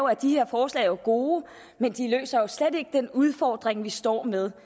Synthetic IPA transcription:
oæd̥ihe̝ɐ̰fɒːslɛ̰ɪjoɡ̥o̝ː | mend̥ilø̰ːsɐjo̝sled̥e̝ɡ̥əd̥enuð̞ˠfɒ̰ːd̥ʁeŋʋisd̥ɒ̰ːmeð̞ˠ

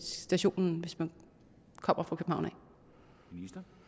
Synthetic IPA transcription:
d̥æɕo̝̰ːnn̩ʋe̝smæn | kʰɒ̽m̰ɐfʁɑ̈kʰøb̥m̩hɑ̈ʊnɛ̰ɪ | isd̥

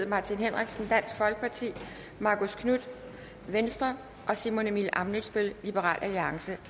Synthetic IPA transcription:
ð̩ˠmɑ̈t͡sʰinɦen̰ʁiɡ̥sn̩d̥æn̰sɡ̥fɒ̽lɡ̥̚pʰɑ̈t͡sʰḭː | mɑ̈ːkʰoskʰnud̥ | ʋensd̥ʁɐ | ʔɒ̽simo̝nemilʔɑ̈mnyd̥sb̥e̝llib̥əʁɑ̰̈ːlʔæliɑ̈ŋsə

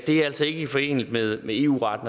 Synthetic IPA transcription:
d̥e̝ææl̰sɒe̝ɡ̥əifɒ̽e̝̰ːnl̩d̥meðˠmee̝̰ːṵːʁɑ̈d̥n

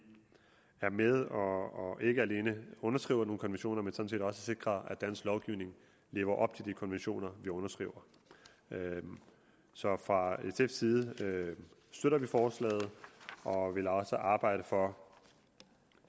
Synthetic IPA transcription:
æɐmeð̞ˠɒːe̝ɡ̥əæle̝ːnəɔ̽nɐsɡ̥ḭːʊɐno̝ːn̩kʰɒ̽nʋenɕo̝̰ːnɐmensɒ̽n̩sʰḭdɒ̽səse̝ɡ̥ʁɐðˠæd̥æn̰slɒʊɡ̥iʊne̝ŋ | le̝ːʊɐʔɒ̽b̥t͡sʰe̝ld̥ikʰɒ̽nʋenɕo̝̰ːnɐʋiɔ̽nɐsɡ̥ʁḭːʊɐ | sɒ̽fʁɑ̈esefsiːðˠə | sd̥øɾɐʋifɒːslɛ̰ːð̩ˠɒ̽ʋe̝lɒ̽səʔɑ̈ːb̥ɑ̈ɪ̰ɾ̥əfɒ̽

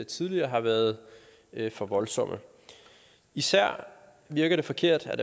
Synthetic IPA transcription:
et͡sʰiðˠliɐːɦɑ̈ʋæɐð̞ˠ | øfɒ̽ʋɒ̽lsɒ̽m̰ʔə | isæɐ̰ | ʋiɐɡ̥ɐɾ̥e̝fɒ̽kʰe̝ɐ̰d̥ædæ

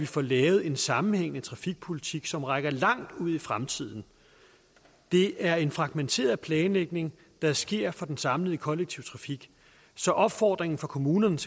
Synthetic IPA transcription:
ʋifɒːlɛːʊð̞̩ˠe̝nsɑ̈mn̩heŋ̰nət͡sʰʁɑ̈fiɡ̥̚pʰo̝lit͡sʰiɡ̥sɒ̽mʁaɡ̥ɐlɑ̈ŋ̰d̥uð̞̰ˠifʁamt͡sʰið̞̰ˠn̩ | d̥e̝æɐe̝nfʁɑ̈ɡ̥ment͡sʰe̝̰ːɐð̩ˠpʰlɛːnleɡ̥̚ne̝ŋ | d̥ɑ̈sɡ̥e̝ɐ̰fɒ̽d̥ensɑ̈mlið̩ˠəkʰɒ̽leɡ̥̚t͡sʰiʊt͡sʰʁɑ̈fiɡ̥ | sɒ̽ʔɒ̽b̥fɒ̰ːd̥ʁeŋn̩fɒ̽kʰo̝muːnɐnəsʰ

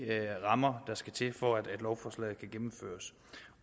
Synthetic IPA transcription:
ʁɑ̈mɐd̥ɑ̈sɡ̥æt͡sʰe̝fɒæd̥æd̥lɒʊfɒslɛ̰ð̩ˠkʰæɡ̥emm̩fø̰ːɐs

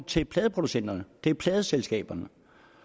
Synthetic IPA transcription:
t͡sʰe̝lpʰlɛːðˠəpʰʁo̝d̥usen̰d̥ɐnəd̥e̝æpʰlɛːð̞ˠəselsɡ̥ɛ̰ːb̥ɐnə

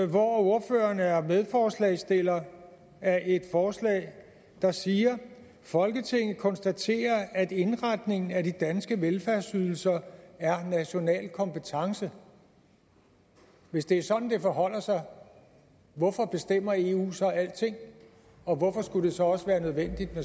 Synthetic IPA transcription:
ʋɒo̝ɐfø̰ːɐnæɐmeð̞ˠfɒːslɛ̰ːsd̥e̝l̰ɐ | æɐʔe̝d̥fɒːslɛ̰ː | d̥ɑ̈siːɐ | fɒ̽lɡ̥ət͡sʰe̝ŋ̰ð̩ˠkʰɒ̽nsd̥æt͡sʰe̝̰ːɐæd̥e̝nʁad̥ne̝ŋn̩æd̥id̥ænsɡ̥əʋelfæɐsyð̞ˠl̩sɐæɐnæɕo̝nɛ̰ːlkʰɒ̽mpʰət͡sʰɑ̈ŋsə | ʋe̝sd̥e̝æɐsɒ̽d̥n̩d̥e̝fɒɦɒ̽l̰ɐsɑ̈ɪ | ʋɒfɒ̽b̥e̝sd̥em̰ɐe̝ṵːsɒɪæl̰d̥t͡sʰe̝ŋ̰ | ɒ̽ʋɒfɒ̽sɡ̥ud̥e̝sɒ̽ɒ̽səʋæːɐnøð̞ˠʋen̰d̥id̥me

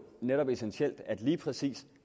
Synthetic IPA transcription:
neɾɒ̽b̥e̝senɕel̰d̥æd̥liːpʰʁɛsḭːs

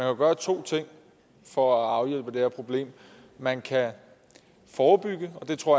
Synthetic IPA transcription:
ænkʰæɡ̥ɶːɐt͡sʰo̝̰ːt͡sʰe̝ŋ̰ | fɒæɑ̈ʊjel̰b̥əd̥ehæɐpʰʁo̝b̥le̝̰ːm | mænkʰæ | fɒːb̥yɡ̥əɒ̽d̥e̝t͡sʰʁo̝ɐ̰

